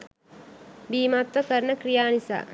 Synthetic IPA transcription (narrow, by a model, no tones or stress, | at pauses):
biːmaːt̪ʋɐkɐɾɳɐkɾijaːnisa̰ː